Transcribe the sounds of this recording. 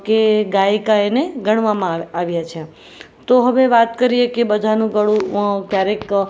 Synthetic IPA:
keɡakaeneɡʱəɳ̃ʋamãaʋjat͡ʃʰe | t̪oɦəʋeʋat̪kəɾijekebəd̪ʱanũɡəɽũkjaɾek

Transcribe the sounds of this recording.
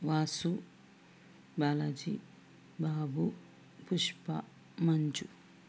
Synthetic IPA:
ʋaːsu | bɐlɐd͡ʒḭ | baːbu | puʃpɐ̰ | mɐɲd͡ʒu

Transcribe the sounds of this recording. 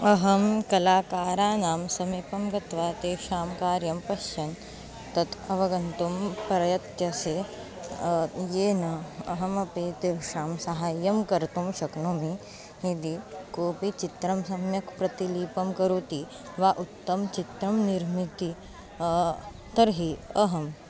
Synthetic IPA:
ɐɦɐmkɐlaːkaːɾaːnaːmsɐmipɐmɡɐt̪ʋaːt̪eːʃaːmkaːɾjɐmpɐʃjɐn | t̪ɐt̪ʰɐʋɐɡɐnt̪umpɾɐjɐt̪jɐseː | jeːnɐɐɦɐmɐpeːt̪eʃaːmsɐɦaːjːɐmkɐɾt̪umʃɐknomi | id̪ikoːpit͡ʃit̪ɾɐmsɐmjɐkpɾɐt̪iliːpɐmkɐɾoːt̪i | ʋaːʔut̪ːɐmt͡ʃit̪ɾɐmniɾmit̪i | t̪ɐɾɦiɐɦɐm

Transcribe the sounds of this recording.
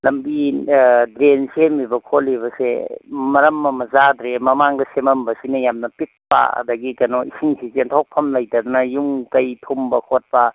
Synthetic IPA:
lɐmbi | dɾensemibɐkʰoliβɐsḛmɐɾɐmːɐmɐzadɾemɐmaŋdɐsemɐmbɐsinɐjamnɐpit̚pa̰ɐ̰dɐɡikɐnoisiŋsʰisentʰowk̚pʰɐmlɐjtɐd̪unɐjuŋkɐjtʰumbɐkʰot̚pɐ

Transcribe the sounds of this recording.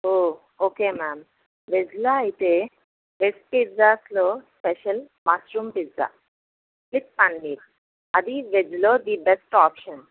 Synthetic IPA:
oː | oːkeːmaːm | ʋed͡ʒlaɐjt̪e | ʋesʈ̚piɾzaːsloːspeʃɐl | maːsɾuːmpiɾd͡za̰ː | klik̚pɐɳɖiːɾ | ɐd̪iʋed͡ʒloːd̪ibesʈɔːpʃɐn

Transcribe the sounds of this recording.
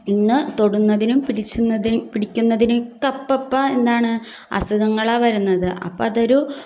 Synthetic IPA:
inːɨt̪o̞ɽunːɐðinumpiɽit͡ɕːuɐipiɽikʲːunːɐðinumkɐpːɐpːɐend̪aːɳɨ | ɐ̰suɣɐŋːɐɭaːʋɐɾunːɐðɨʔɐ̰pːɐɐðoɾu

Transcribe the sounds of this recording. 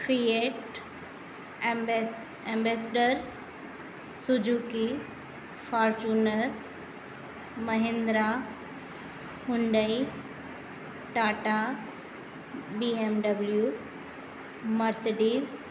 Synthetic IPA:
fieʈ | ẽmbesɖəɾ | sʊd͡ʑuːki | faːɾt͡ɕuːnəɾ | mɐɦɪ̃nd̪ɾa | mʊ̃ɳɖəi | ʈaːʈa | biemɖɐblju | mɐɾseɖiːz

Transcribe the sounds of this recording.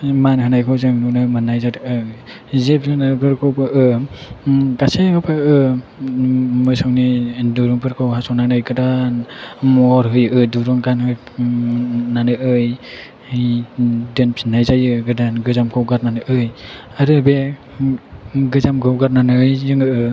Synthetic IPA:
manɦɯnajkʰawzɯŋnunɯmɯnajzaɾɯ | zep̚zɯnɯbɯɾkʰowpɯʔɯ | ɡasehɯwpʰɯɯ | mɯjsawniduɾuŋpʰɯɾkʰowɦasɔwnanɯjɡɯdanmɔɾɦɯjɯduɾɯŋɡanhɯ | nanɯʔɯj | dɯnpʰinːajzajɯɡɯdanɡɯzamkʰawɡaɾnanɯʔɯj | aɾɯbe | ɡɯzamɡɯwɡaɾnanɯjzɯŋɯɯ

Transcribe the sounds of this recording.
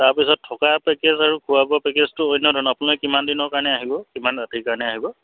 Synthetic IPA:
taɹpisɔtʰːɔkapekezaɹukʰuabapekeztʊojnːɔdʱɔnapunɔkimandinɔkaɹnɛaɦibɔkimanɹatikaɹnɛaɦibɔ

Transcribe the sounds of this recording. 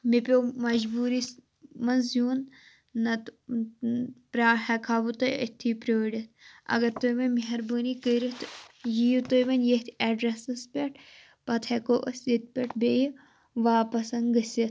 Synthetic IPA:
mipʲoːmɐd͡ʒbuːɾis | mɐnzjuːnː | ɐt̪ | pɾaːhɐkʰaːbut̪ɐjə̰t̪ʰːiːpɾʲoːɽit̪̚ʰɐ̰ɡɐɾt̪oʋɐnmiɦɐɾbuːnikəːɾit̪jijut̪ojʋɐnjet̪ʰeɖɾesɨspʲeʈ̚ʰ | pɐt̪ʰekoːʔɐsit̪̚pʲeʈʰbeːj | ʋaːpɐsɐnɡɐsʲɐt̪ʰ

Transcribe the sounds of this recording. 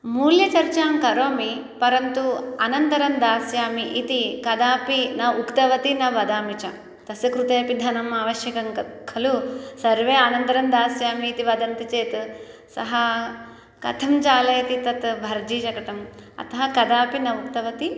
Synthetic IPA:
muːljɐt͡ʃɐɾt͡ʃaːmkɐɾoːmi | pɐɾɐnt̪uɐnɐnt̪ɐɾɐnd̪aːsjaːmiʔit̪ikɐd̪aːpinɐukt̪ɐʋɐt̪inɐʋɐd̪aːmit͡ʃɐ | t̪ɐsɐkɾut̪eːɐpid̪ʱɐnɐmaːʋɐʃjɐkɐŋɐkʰɐlusɐɾʋeːɐnɐnt̪ɐɾɐnd̪aːsjaːmiːt̪iʋɐd̪ɐnt̪it͡ʃeːt̪ | sɐɦɐ | kɐ̰t̪ʰɐmt͡ʃaːlɐjɐt̪it̪ɐt̪bʱɐɾd͡ʒiːʃɐkɐt̪ɐmɐ̰t̪ɐɦɐkɐd̪aːpinɐukt̪ɐʋɐt̪i

